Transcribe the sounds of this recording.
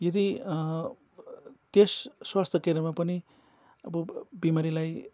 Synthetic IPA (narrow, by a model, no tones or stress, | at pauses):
jʌd̪i | t̪esːwast̪ʰʌkeɾʌmapʌni | ʌbʌbimaɾilaj